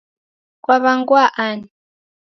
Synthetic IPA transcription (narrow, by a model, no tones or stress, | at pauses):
kʼwaβaŋɡwaʔani